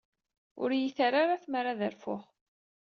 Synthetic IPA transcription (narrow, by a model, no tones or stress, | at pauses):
ʊ̰ɾjiθaɾaɾaθmɾaðəɾfʊχ